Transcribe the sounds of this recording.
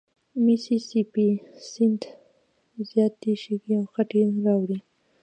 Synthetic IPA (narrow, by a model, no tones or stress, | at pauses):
misisipisɪnʈ̪ | zjɑt̪̚d̪eʃeɡiawxaʈeɾɑwɽi